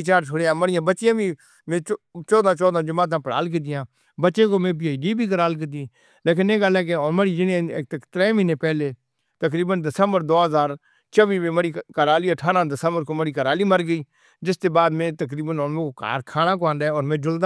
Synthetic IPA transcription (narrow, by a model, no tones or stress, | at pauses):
t͡ʃaːɾt͡ʃʰoɽeːãːməɽɪjãːbətːt͡ʃɪjãːbiː | mẽːt͡ʃɔːd̪ãːt͡ʃɔːd̪ãːd͡ʒəmaːt̪̬ãːpəɽa̰ːlk̬it̪̬ɪjãː | bətːʃeːkoːmẽːpɪːiɖiːbʱiːk̬əɾaːlk̬it̪̬iː | leːkɪnẽːɡəlɛːk̬eɔːɾməɽiːd͡ʒɪnẽkt̪ət̪ɾɛːmɪneːpɛːleː | t̪ək̬ɾiːbənd̪əsəmbəɾd̪oːɦəzaːɾ | t͡ʃəʋiːʋẽːməɽiːkəɾaːliːəʈʰaːɾãːd̪əsəmbəɾkoːməɽiːkəɾaːliːməɾɡəiː | d͡ʒɪst̪eːbaːd̪mẽːt̪əkɾiːbənɔːnmẽːoka̰ːɾkʰaːnãːk̬oãːnd̪aɛɔːɾmẽːd͡ʒʊld̪a